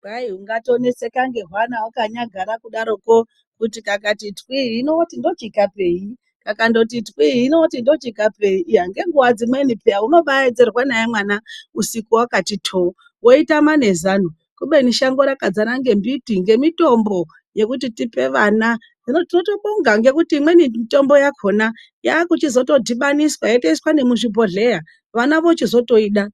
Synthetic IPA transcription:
raiɦuŋɡato̞ne̞sekaŋɡe̞ɦwanaukaɲaɡʱaɾakuɗaɾo̞ko | kutikakatitwiinotindo̞t͡ʃikape̞ːi | kakando̞t̬itwiinotindo̞t͡ʃikape̞iʔːɦaŋɡe̞ŋɡuwad͡zimwenipeauno̞ɓaed͡zerwanajemwanausikuwakatitʰo | wo̞itamane̞zanu | kuɓeniʃaŋɡoɾakad͡zanaŋɡe̞mbitiŋɡe̞mito̞mbo̞ | je̞kutitipe̞ʋana | d͡zinotino̞toɓoŋɡaŋɡe̞kutiːmwenimito̞mbo̞jakʰona | jaːkut͡ʃizo̞to̞dʱiɓaniswajateiswanemuʃipo̞ɮe̞ja | ʋanaʋot͡ʃizo̞to̞iːɗa

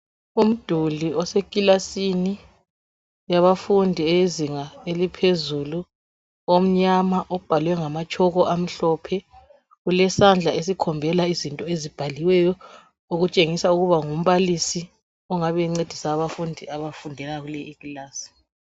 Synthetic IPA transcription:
um̩d̥ʱuliɔsekʼilasini | jaβafundʱiejeziŋaelipʰezulu | om̩ɲamaʔɔb̥ʱalwɛŋamat͡ʃʰʼɔɣɔʔam̩ɬɔːpʰɛ | ɣulɛsand͡ɮʱaes̬ikʰɔmbʱɛlaizintʼɔezib̥ʱaliwɛjɔ | oɣut͡ʃʼeŋisauɣuβaŋum̩βalisi | ɔŋaβɛŋ͡ǀed̥ʱisaːβafundʱiaβafundʱɛlaɣulɛikʼilaːsi̥

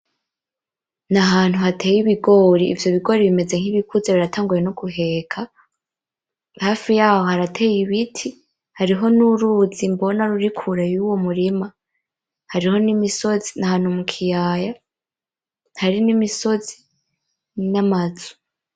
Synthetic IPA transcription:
naɦaːn̥huɦatʰe̞ːjiβiɡo̞ːɾiːvjo̞βiɡo̞ɾiβime̞ze̞ŋ̥iβikuzeβiɾatʰaːŋɡuje̞nokuɦe̞ːkʰa | haːfijaːho̞haɾatʰeːjiβitʰi | haɾiɦo̞nuɾuːzimbo̞naɾuɾikʰuɾajuwo̞muɾima | haɾiho̞nimisozi̥nahaːn̥humukʰijaːja | haɾinimiso̞zi | namazu̥

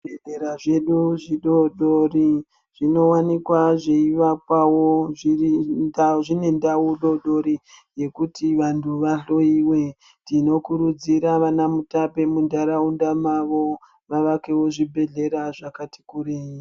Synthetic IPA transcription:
beɮeɾaʐe̞ɗuʐiɗo̞ɗori | ʐ̥ino̞wanikwaʐeiʋakwawoʐiiaʐine̞ndawuɗo̞ɗo̞ɾije̞kutiʋantʰuʋaɬo̞iwe̞ | ndino̞kuɾud͡ziɾaʋanamutape̞mundaɾaundamaʋo̞ | ʋaʋakewo̞ʐibʱe̞ɮe̞ɾaʐakati̥kuɾei

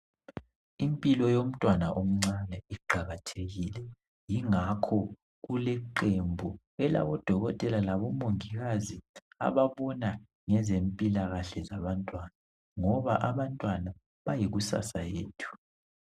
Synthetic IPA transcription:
impʼilɔjom̩tʼwanaʔom̩ŋ͡ǀanɛiɡ͡ǃʱaɣatʰeɣilɛ | jiŋakʰɔ | ɣulɛǃembʱu | ɛla̰βɔd̥ʱɔɣɔtʼɛlalaβɔmoŋiɣazi | a̰βaβɔna | ŋɛzempʼilaɣaɬɛzaβantʼwana | ŋɔβaʔaβantʼwana | βajiɣusa̰sajeːtʰu̥

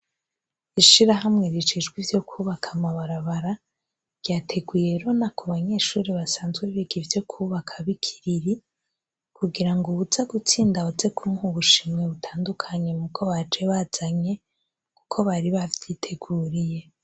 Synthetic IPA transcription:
iʃiɾaɦamŋe̞ɾit͡ʃiʒɡwivjo̞kʰuːβakʰamaβaɾaβaɾa | ɾ̥ɟaːtʰe̞ɡwuje̞ɾo̞nakʰoβaɲe̞ʃuːɾiβasaːnzɡweβiɡivjo̞kʰuβakʰaβikʰi̥ɾiɾi | kʰuɡiɾaŋɡuuzaɡut͡siːndaze̞kʰumŋuβuʃimŋe̞βutʰaːndukʰaɲe̞mukʰo̞βad͡ʒe̞βaz̥aɲe̞ | ku̥kʰo̞βaɾiβavjitʰe̞ɡuːɾije̞

